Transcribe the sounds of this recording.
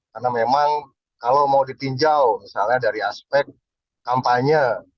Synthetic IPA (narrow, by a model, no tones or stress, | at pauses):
karnamemaŋ | kalawmaudit̪iɲd͡ʒawmisalɲadaɾiaspɛk̚t̪̚ | kampaɲə